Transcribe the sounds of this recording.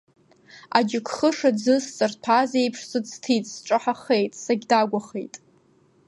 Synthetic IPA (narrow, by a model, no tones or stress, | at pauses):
ad͡ʒɪkʷʰχəʂadd͡zɨst͡sʼɨrpʰazejpʰʂsɨd͡ztʰitʼsʈ͡ʂʼɨħaχejtʼsaɡʲdaɡʷaχḛjtʼ